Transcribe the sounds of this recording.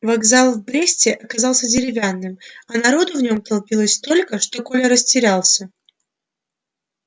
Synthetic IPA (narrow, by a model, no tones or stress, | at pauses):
vɐɡzalˠvbɾʲesʲtʲɪʔɐkɐzɑlˠsʲədʲɪɾʲɪvʲanːɨmɐnɐɾo̞d̪ʊvnʲo̞mt̪ɐlˠpʲilˠəsʲt̪o̞lʲkəʂt̪o̞kolʲəɾəsʲtʲɪɾʲalˠsʲə